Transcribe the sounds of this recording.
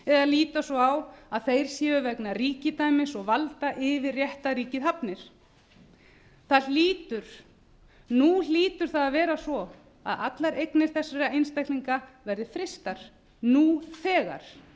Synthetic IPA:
ɛðaliːt̪asɔawaðθejɾ̥sjɛːʏvɛknariːcɪt̪ajmɪsɔɣvalt̪aʔɪvɪrjɛht̪aɾiːcɪðɦapnɪɾ̥ | θalliːt̪ʏɾ̥ | nuliːt̪ʏɾ̥θaðavɛːɾasvɔ | a̰ða̰t̪laɾejknɪɾ̥θɛsːaɾaejnst̪ajhkliŋkavɛɾðɪfɾɪst̪aɾ̥ | nuːθɛːɣa̰ɾ̥

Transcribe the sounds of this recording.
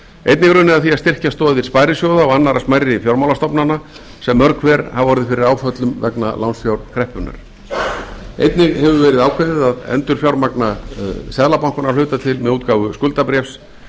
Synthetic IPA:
ejt̪nɪɣɾʏnɪðaðθiaðst̪ɪr̥cast̪ɔːððɪɾ̥spaːjɾɪsjoːwðaɔɣanːaɾasmajɾɪfjowɾmawlast̪ɔpnana | sɛmːœɾkʰvɛːɾhavvɔɾðɪfɪɾɪɾaːwfœt̪lʏmvɛ̰knalawnsfjawɾ̥kʰɾɛhpʏna̰ɾ̥ | ḛjt̪nɪɣhɛvʏvɛːɾɪðaːwkʰvɛðɪðaðɛ̰nt̪ʏɾ̥fjawɾmaknasɛðlapawŋ̥kʏnalʏːɥt̪at̪ʰɪlmɛðuːt̪̚kaːwvʏskʏlt̪apɾɛfs

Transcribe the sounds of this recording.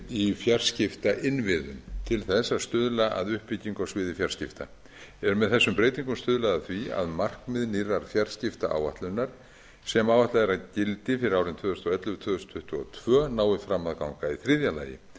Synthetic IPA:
ifjar̥scɪft̪aʔɪnvɪðʏ̰mt̪ʰɪlθɛsast̪ʏðlaʔa̰ðʏhpɪciŋkawsvɪːðɪfjar̥scɪft̪a̰ | ɛɾʏmɛðθɛsːʏmpɾeːjt̪iŋkʏmst̪ʏðlaðaθvia̰ðmar̥kmɪðniraɾ̥fjar̥scɪft̪aʔa̰ːwva̰ht̪lʏnːaɾ̥ | sɛmaːwvaht̪laðɛɾaðcɪlt̪ɪfɪɾɪɾawɾɪnt̪ʰvœːðʏst̪ɔɛt̪lʏt̪ʰvœːðʏst̪ʰʏht̪ʏɔ̰t̪ʰv̥œːnaːwɪfɾamːaðkawŋkaiθɾɪðjala̰ːjɪ̰

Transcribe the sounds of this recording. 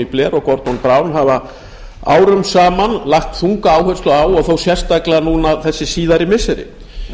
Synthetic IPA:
iplɛɾɔɣkɔɾt̪ɔnpɾaːwnɦava | a̰ːwɾʏmsaːmanlahxt̪θuŋkaaːwhœr̥st̪lʏaːwɔɣθowsjɛr̥st̪aklɪanuːnaθɛsːɪsiːðaɾɪmɪsɛɾɪ̰

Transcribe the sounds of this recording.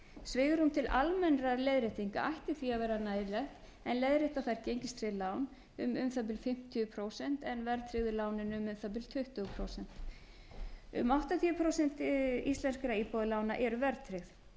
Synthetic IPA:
svɪːɣʏɾ̥hunt̪ʰɪlʔa̰lmɛnɾalejðɾɪht̪iŋka̰ʔajht̪ɪθviavɛːɾanaːjðɪlɛxt̪ | ɛnlejðɾɪht̪aθajɾcejɲcɪst̪ɾɪlaːwn | ʏmʏmθap̬ɪlfɪm̥t̪ʰiʏpʰɾoːwsɛn̥t̪ɛnvɛɾt̪ʰɾɪɣðʏlaːwnɪnʏmʏmθap̬ɪlt̪ʰʏht̪ʏɣʏpʰɾoːwsɛn̥t̪ | ʏ̰mawht̪at̪ʰiʏpʰɾowsɛnt̪ist̪lɛnskɾaiːpɔðɪlaːwnaʔɛɾʏvɛɾt̪ʰɾɪɣθ

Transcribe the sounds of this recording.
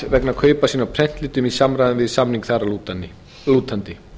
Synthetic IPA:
vɛknakʰœːɥpasiːnawpʰɾɛn̥t̪lɪːt̪ʏmisamɾajðɪnvɪðsamniŋkθarau | luːt̪ant̪ɪ

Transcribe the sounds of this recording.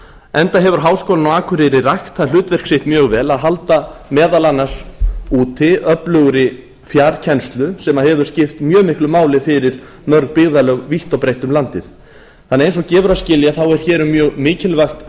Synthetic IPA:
ɛnt̪aɦɛvʏɾ̥ɦaːwskowlnawaːkʰʏɾɪɾɪrajxt̪θaðl̥ʏːt̪vɛr̥kseht̪mjœːɣvɛːlaðɦalt̪amɛːðalanːaɾ̥uːt̪ʰɪœplœɣɾɪ | fjaɾcʰɛnst̪lʏsɛmaɦɛvʏɾ̥scɪft̪mjœːmɪhklʏmaːwlɪfɪɾɪɾ̥ | mœɾk̚pɪɣðalœɣviht̪ɔwpɾejht̪ʏmlant̪ɪθ | θanːɛejnsɔcɛːvɾascɪljaθawɛɾ̥çɛːɾʏmjœːɣmɪːcɪlvaxt̪

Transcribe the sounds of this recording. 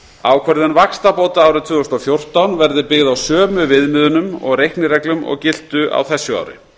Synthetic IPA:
aːwkʰvɛɾðʏnvakst̪apoːwt̪aaːwɾɪt̪ʰvʏːɔst̪ɔfjowr̥t̪awnvɛɾðɪpɪɣðawsœːmʏvɪðmɪðʏnʏmɔ̰ɣrejhknɪɾɛklʏmɔ̰ɣcɪl̥t̪ʏʔa̰wθɛsːʏa̰ːwɾɪ̰

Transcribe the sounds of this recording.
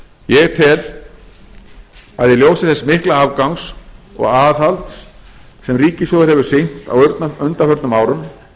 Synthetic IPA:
jɛɣt̪ʰɛl | aðjɛljoːwsɪ̥θɛsmɪhklaavkawŋsɔ̰ɣaːðhalt̪ | sɛmriːcɪsɔðɪɾhɛvʏɾ̥sɪn̥t̪a̰wɾt̪nʏnt̪afœɾt̪nʏmaːwɾʏm

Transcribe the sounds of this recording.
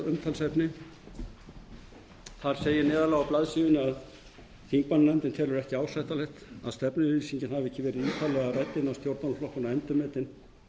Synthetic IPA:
ʏmt̪ʰalsɛpnɪ | θaɾ̥seːjɪnɛːðalaɣawplaðsiːvʏnɪað | θiŋk̚mannɛnt̪ɪnt̪ʰɛːlʏɾɛhcɪaːwsajht̪alɛxt̪aðst̪ɛpnɪɾiːsiɲcɪnhavɪɛhcːɪvɛːɾɪðiːt̪ʰaːlɛɣarajt̪ːɪnawst̪jowɾt̪anflɔhkʏnaɛmt̪ʏmɛːt̪ɪn

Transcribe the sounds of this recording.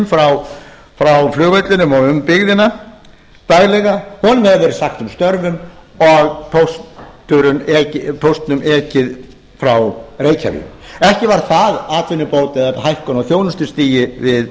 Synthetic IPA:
mfɾaw | fɾawflʏːɣvejt̪lɪnʏmɔɣʏmpɪɣðɪna | t̪aɣlɛɣahɔnʏmhɛðɪvɛːɾɪsaxt̪ʏmst̪œɾvʏmɔɣpʰowst̪ʏɾʏnɛcɪpʰowst̪nʏmʔɛːcɪð | fɾawreːjcʰa̰vḭɛhcɪvaɾ̥θaðaːt̪vɪnːʏpoːwt̪ɛðaɦajhkɔnaθjoːwnʏst̪ʏst̪iːjɪvɪð

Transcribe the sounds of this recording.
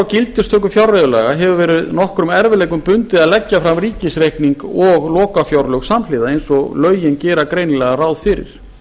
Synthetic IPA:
awcɪlt̪ɪst̪ʰœːk̬ʏfjawɾrajʏla̰ːɣaɦɛvʏvɛːɾɪðnɔhkɾʏmɛɾvɪlɛːjkʏmpʏnt̪ɪðaðlɛcːafɾamɾiːcɪsɾehkniŋkɔɣlɔːkafjawɾlœxsamlɪːðaðejnsɔlœːɥjɪncɛːɾakɾeːjnɪlɛːɣarawðfɪɾɪ̰ɾ̥

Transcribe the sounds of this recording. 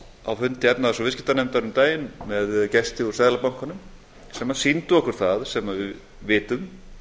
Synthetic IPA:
a̰wfʏnt̪ɪɛpnaðasɔvɪscɪ̥t̪anɛmt̪anʏmt̪aːjɪnmɛðcɛst̪ɪuɾ̥saːðlapawŋ̥kanʏm | sɛmaðsint̪ʏɔhkʰʏɾ̥t̪θaðsɛmavɪ | vɪːt̪ʏm

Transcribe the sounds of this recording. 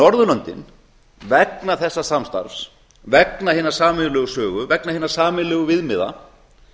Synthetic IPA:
nɔɾðʏlœnt̪ɪ̰n | vɛknaθɛsːasamst̪a̰ɾfs | vɛknahɪːnaɾ̥saːmɪlɛːɣʏsœːɣʏvɛknahiːnḁsaːmɪlɛːɣʏvɪðmɪða̰

